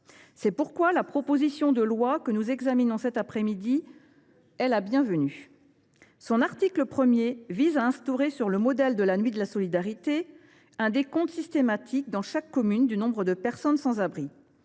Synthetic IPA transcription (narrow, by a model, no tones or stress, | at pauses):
sɛpuʁkwalapχɔpozisjɔ̃d̪əlwakənuzɛɡzaminɔ̃sɛt̪apχɛmid̪i | ɛlabjɛ̃vəny | sɔ̃naʁt̪ikləpχəmjevizaɛ̃st̪oʁesyʁləmɔd̪ɛld̪əlanɥid̪əlasɔlid̪aʁit̪e | ɛ̃d̪ekɔ̃t̪sist̪emat̪ʰik̚d̪ɑ̃ʃakːɔmynd̪ynɔ̃bʁəd̪əpɛʁsɔnsɑ̃zabʁi